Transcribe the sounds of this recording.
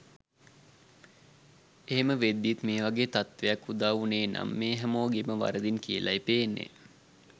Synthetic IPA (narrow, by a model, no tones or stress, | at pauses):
eɦeməʋed̪ːit̪meːʋaɡeːt̪at̪ʋejakːud̪aːʋuneːna̰mːeːɦæmoːɡeməʋa̰ɾəd̪inkijəlʔaipeːnːḛ